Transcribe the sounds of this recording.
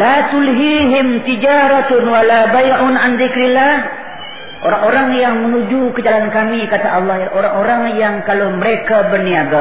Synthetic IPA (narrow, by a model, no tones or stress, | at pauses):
lat̪ulɦiɦɪmt̪id͡ʒaɾat̪ʊnwalabajʔʊnʔanðɪkɾilːah | ʔoɾaŋoɾaŋjaŋmənũd͡ʒukəd͡ʒalankamikat̪aʔɑlːɑhʔoɾaŋoɾaŋjaŋkaloməɾekabərniaɡa